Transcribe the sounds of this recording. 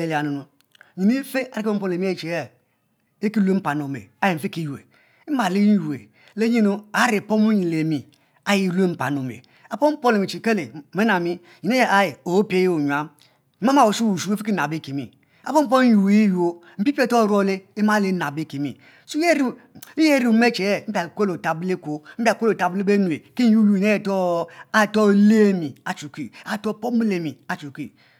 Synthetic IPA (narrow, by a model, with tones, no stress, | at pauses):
e˨la˨nu˨nu˨ | ɲi˨ni˦fe˦a˨ɾi˦o˦m̩˦po˦n˨e˨mi˦e˦˨t͡ʃe˨je˦˨ | e˦ki˦le˦m̩˦pa˨no˨mḛ˨a˦ji˨fe˦ki˦ju˨ḛ˨ | i˦ma˨le˦n˦u˨ḛ˨ | le˦ɲi˦nu˦a˦ɾi˨po˦mu˦ɲi˨le˨mi˨ | a˦ji˦le˦m̩˦pa˨no˨mḛ˨ | a˨po˦m̩˦po˦n˦e˨mi˨t͡ʃi˨ke˦le˨me˦na˨mi˦ | ɲi˨ne˦je˦˨a˦ji˨o˨˦pe˦je˦o˨ɲu˨a˦m̩˦ | ma˦ma˨wo˨su˦wu˨su˦fi˦ki˦na˨be˦ke˨mḭ˨ | a̰˨po˦m̩˦o˦ju˨ji˦jo˦ | m̩˦pi˦pe˦to˦˨ɾo˦le˦e˦ma˦le˦na˨be˦˨ke˨mḭ˨ | su˦e˦ɾi˦ | i˦je˦ɾi˨u˨˦me˦t͡ʃe˨e˦m̩˦pʲa˨kʷe˦lo˨ta˨ble˦ko˦m̩˦pʲa˨kʷo˦o˨ta˨bu˦le˦be˦nu˨e˨ki˦u˦ju˨i˨ne˦je˨to˦a˨to˦˨le˦˨mi˨a˨t͡ʃu˨ki˦a˨to˦˨po˦mi˦le˨mi˨a˨t͡ʃu˨kḭ˦